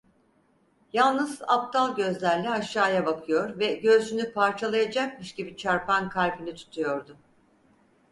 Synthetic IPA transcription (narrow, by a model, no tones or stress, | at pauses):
jalˠnɯzap̚t̪ʰalˠɟø̞zlʲæɾlʲɛaʃːaːjabakʰɯjo̞ɾvɛɟø̞zd͡ʒynypʰaɾt͡ʃʰalˠajad͡ʒak̚mɯʃɟibit͡ʃʰaɾpʰankʰaɾbinit̪ʰu̥t̪ʰujo̞ɾd̪ʊ